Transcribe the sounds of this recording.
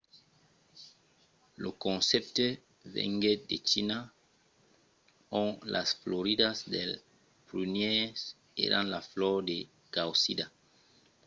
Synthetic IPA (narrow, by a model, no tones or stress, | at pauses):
lokõnsep̚t̪e | vḛŋɡedet͡ʃina | oŋla̰sfloɾidasdel | pɾynjes | ḛɾa̰nlaflɔɾd̪e | kawsida